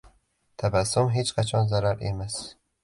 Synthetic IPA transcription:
t̪ʰabasːʊmɦet͡ʃqʰat͡ʃʰɒnzaɾaɾḛmas

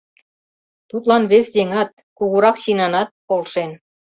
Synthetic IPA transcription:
t̪ut̪lɑnβesd̪eŋɑt̪̚ | kuɣuɾɑkɕinɑnɑt̪̚kolˠʃen

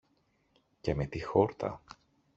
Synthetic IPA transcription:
ce̞me̞t̪ixo̞ɾt̪ʰɐ̰

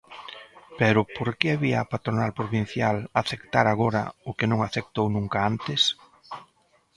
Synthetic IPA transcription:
pɛɾʊpoɾkɪaβiaːpat̪ɾonalpɾoβin̟θjalaθekt̪aɾaɣ̞oɾɐ̰ʊkɪnõŋaθek̚t̪ownũŋkaant̪ɪs

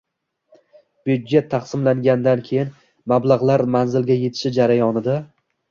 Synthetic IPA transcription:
b̥jud̪d͡ʒe̞t̪ʰːaχsɪmlaŋɡʲand̪ankʲʰe̞jɪn | mablˠaʁlˠaɾmanzɪlɡʲaje̞t̪ʰɪ̥ʃɪd͡ʒaɾajɒnɪd̪a

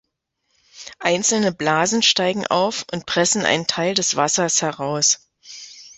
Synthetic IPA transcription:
ʔaɪnt͡sl̩nəblaːzn̩ʃtaɪɡŋ̩ʔa̰ʊfʊnt̚pʁ̥ɛsn̩ʔa̰ɪnəntʰaɪldɛsv̥asɐshɛʁaʊs

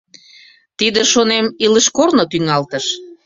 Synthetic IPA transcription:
t̪id̪əʃonemiləʃkornot̪yŋɑlt̪əʃ

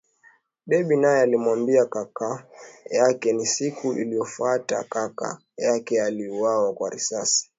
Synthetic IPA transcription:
ɓɛɓinajɛalimwambiakakajakɛnisikuʔḭlijɔfuata̰kaka̰ | jakɛaliuwawakwaɾḭsasi̥

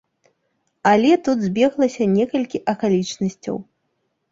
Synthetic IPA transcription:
ɐlʲɛt̪ud̪zʲbʲɛɣlˠɐsʲɐnʲɛkɐlʲkʲiʔɐkalʲit͡ʂnɐsʲt͡sʲɐ̰w

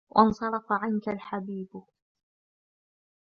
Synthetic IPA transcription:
wʔɑnsˤɑɾˤɑfaʕankalħabiːb

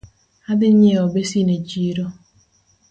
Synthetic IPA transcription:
adɪɲeɔbesined͡ʒiɾɔ

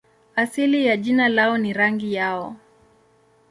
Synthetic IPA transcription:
asilijaʄinalaɔniɾaŋɡijaɔ

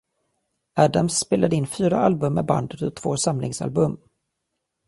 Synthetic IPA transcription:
æːd̪amsːpeːlad̪əɪnfyːɾaʔalbɵmːɛba̰nd̪ət̪ɔt̪ʰv̥oːsamlɪ̰ŋsa̰lbɵmː

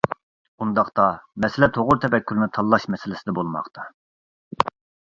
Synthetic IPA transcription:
und̪ɑχt̪ɑmɛsɪlɛt̪ʰoʁʊɾt̪ʰɛvɛkʲːyɾnɪt̪ʰɑlˠːɑʃmɛsɪlɪsɪd̪ɛbolˠmɑ̰χt̪ʰɑ

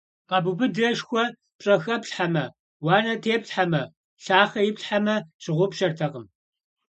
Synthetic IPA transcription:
qɐbubɨdɐʃxʷɔ | pɕʼɐxɐpɬħamɐ | wɑːnɐtʰeːpɬħamɐ | ɬaːχɐjɪpɬħamɐɕɪʁʷʊpɕɐrtʰɐqəm

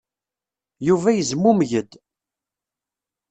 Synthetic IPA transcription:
juvæjəzmːumʝəd̪

